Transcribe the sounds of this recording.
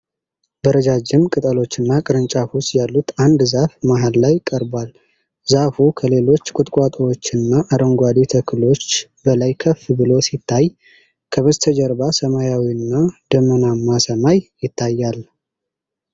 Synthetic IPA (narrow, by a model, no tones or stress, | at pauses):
bəɾəd͡ʒad͡ʒɪmkʼɨt̪ʼəlo̞t͡ʃːɨnːakʼɨɾɨnt͡ʃʼafust̪jalːut̪and̪zafmaɦallajkʼəɾbal | zafukʰəle̞lo̞t͡ʃːkʼʊt̪ʼkʼat̪ʼəwot͡ʃːɨnːaʔaɾəŋɡʷad̪it̪ʰəkʰɨlot͡ʃːbəlajkʰəfbɨlo̞sit̪ʰːaj | kʰəβəzt̪ʰəd͡ʒəɾbasəmajawiɨnːad̪̥əmənamasəmajjɪt̪ʰːajːal